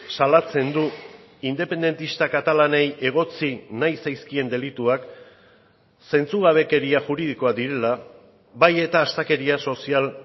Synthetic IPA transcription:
salat͡se̞nd̪uind̪e̞pe̞nd̪e̞nt̪ist̪akat̪alane̞je̞ɣ̞o̞t͡sinajsajskie̞nd̪e̞lit̪uak | se̞nt͡suɣaβe̞ke̞ɾiaʝuɾið̞iko̞ad̪iɾe̞la | βaje̞t̪aːst̪ake̞ɾiaso̞sial

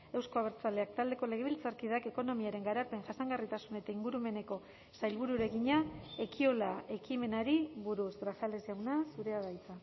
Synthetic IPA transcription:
e̞wsko̞aβ̞e̞ɾt͡saleak̚t̪ald̪e̞ko̞le̞ɣ̞e̞βilt͡saɾkiðake̞ko̞no̞miaɾe̞ŋɡaɾape̞ŋʝasaŋɡarit̪asune̞t̪aiŋɡuɾume̞ne̞ko̞ | sajlβuɾuɾe̞ɣiɲae̞kʰio̞lae̞kime̞naɾiβuɾusɡɾasale̞zʝawnasuɾe̞aðajt͡sa

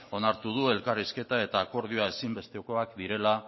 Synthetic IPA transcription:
o̞naɾt̪uðue̞lkariske̞t̪ae̞t̪aːko̞ɾð̞ioae̞simbe̞st̪eoko̞akd̪iɾe̞la

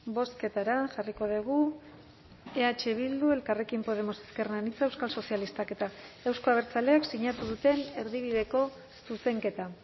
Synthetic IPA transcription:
bo̞ske̞t̪aɾaʝariko̞ð̞eɣ̞u | e̞at͡ʃe̞β̞ild̪ue̞lkare̞kimpo̞ð̞e̞mo̞se̞̥ske̞renanit͡saewskalso̞sialist̪ake̞t̪aewsko̞aβ̞e̞ɾt͡sale̞aksiɲat̪uð̞ut̪e̞ne̞ɾðiβ̞iðe̞ko̞ | suse̞ŋke̞t̪a

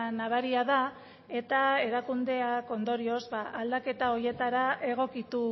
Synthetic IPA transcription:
naβaɾiaða | e̞t̪ae̞ɾakund̪e̞ako̞nd̪o̞ɾio̞zbaʔald̪ake̞t̪ao̞ɾje̞t̪aɾaʔe̞ɣ̞o̞kit̪u

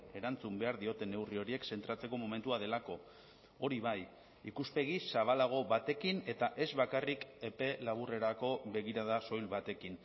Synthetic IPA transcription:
e̞ɾant͡sumbe̞aɾðio̞t̪e̞ne̞wrio̞ɾie̞kse̞nt̪ɾat͡se̞ko̞mome̞nt̪uað̞e̞lako̞ | oɾiβaj | ḭkuspe̞ɣissaβ̞alaɣ̞o̞βat̪e̞kine̞t̪aʔe̞zβakarike̞pe̞laβ̞ure̞ɾako̞βe̞ɣ̞iɾað̞aso̞jlβat̪e̞kin

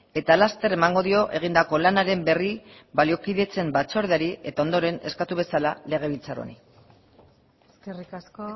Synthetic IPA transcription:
e̞t̪alast̪e̞re̞maŋɡo̞ðio̞ʔe̞ɣ̞ind̪ako̞lanaɾe̞mbe̞ribalio̞kiðe̞t͡se̞mbat͡so̞ɾð̞eaɾie̞t̪aond̪o̞ɾe̞ne̞skat̪uβ̞e̞salale̞ɣ̞e̞β̞ilt͡saɾo̰nḭ | eskerikasko

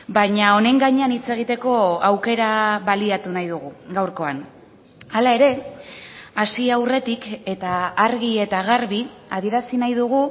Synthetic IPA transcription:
baɲao̞ne̞ŋɡaɲeanit͡se̞ɣ̞it̪e̞ko̞awke̞ɾaβaliat̪unajðuɣ̞uɡawɾko̞an | alae̞ɾe̞ | asiawre̞t̪ike̞t̪aːɾɣie̞t̪aɣaɾβiað̞ie̞ɾasinajðuɣ̞u

